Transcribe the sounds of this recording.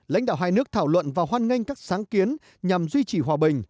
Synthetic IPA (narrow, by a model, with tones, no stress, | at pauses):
la̰˧˥jŋ̟ɗa̰ː˧˨whaː˧jnɨ˦˥ək̚t̪ʰaː˧˩wlwə̰˧˨nvaː˨˩whwaː˧nŋi˧ŋ̟kaː˦˥k̚saː˨˦ŋki˨˦ən | ɲa˨˩mzwi˧t͡ɕi˧˩ɦwaː˨˩ɓï˨˩ŋ̟